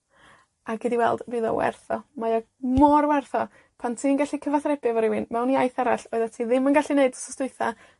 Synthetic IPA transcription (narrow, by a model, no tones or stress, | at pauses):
aɡɪdiwɛ̰lˠd̥bɨːðɔ̰wɛ̰rθɔmajɔ | mɔrwɛrθɔ | pʰantʰiːənɡaɬikʰəvaθrɛbɨvɔɾɪwɪnmɛwniajθaɾaɬoɨðatʰiðɪmənɡaɬineɨdsɔ̥stʊɨθa